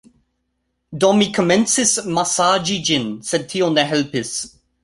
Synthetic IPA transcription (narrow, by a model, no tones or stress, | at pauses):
dɔmikʰɔmɛ̃nsɪsmasaːd͡ʒid͡ʒɪ̃nsɛd̚tʰionɛɦɛlpɪs